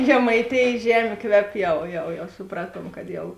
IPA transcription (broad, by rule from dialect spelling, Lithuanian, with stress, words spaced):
ʒʲɛmɐɪˈtʲeːjeːs ˈʒʲæːmʲeː ˈkʋʲɛp ˈjɛʊ jɛʊ jɛʊ sʊˈprɑːtuɔm kɐt ˈjɛʊ